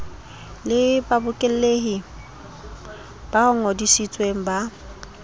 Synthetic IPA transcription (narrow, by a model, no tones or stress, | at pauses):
lɪbabʊkʼɪl̩leɦi | b̥aʊŋ̩ɔdisit͡sʼweŋ̩ba